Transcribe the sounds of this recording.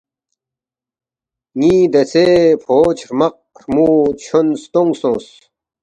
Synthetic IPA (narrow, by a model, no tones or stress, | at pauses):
ŋiːd̪ɐsepʰoːt͡ɕʰɾmɐq̚ɾmut͡ɕʰonst̪oŋɡsõːs